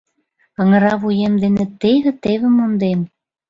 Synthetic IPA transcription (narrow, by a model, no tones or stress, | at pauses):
ə̆ŋə̆ɾɑβujemd̪enĕt̪eβĕt̪eβĕmond̪em